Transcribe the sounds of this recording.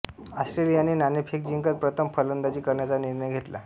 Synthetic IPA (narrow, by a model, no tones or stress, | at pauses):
asʈɾelijaniːnanepʰek̚d͡ʑiŋkət̪̚pɾət̪ʰəmpʰələnd̪at͡ɕiːkəɾɳjat͡saniɾɳəjɡʱet̪la̰